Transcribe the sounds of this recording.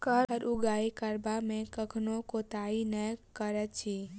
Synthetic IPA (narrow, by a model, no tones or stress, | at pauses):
kəəɾʔʊɡaːikəɾbamẽkəkʰnõkot̪aːinəkəɾət̪t͡ʃʰiː